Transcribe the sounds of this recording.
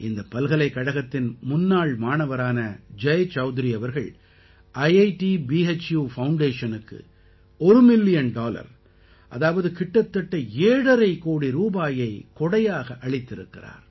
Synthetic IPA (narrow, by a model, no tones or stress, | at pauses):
ʔɪnd̪ɐpːɐlɣɐɭɐɪkːɐɽɐɣɐt̪ːɪnmʊnːaːɭmaːnɐʋɐɾaːnɐd͡ʒɐjt͡ʃɐʊd̪ɪɾiɐʋɐɾɣɐɭ | ʔɐɪɐɪʈibiːet͡ʃjuːfɐʊɳɖeːʂɐnɯkːɯ̰ | ɔɾɯmɪlːɪjɐnɖaːlɐ̰ɾ | ʔɐ̰ðaːʋɐðɯkɪʈːɐt̪ːɐʈːɐeːɽɐɾɐɪkoːɽiɾuːbaːjɐɪkɔɽɐjaːɣɐʔɐɭɪt̪ːɪɾɯkːɪ̰ra̰ːɾ